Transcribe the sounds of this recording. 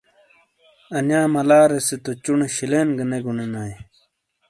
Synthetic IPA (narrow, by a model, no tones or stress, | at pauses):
ɐnjaːmɐlaːɾeset̪ot͡ɕuneɕileːnɡɐneɡuɳenaːj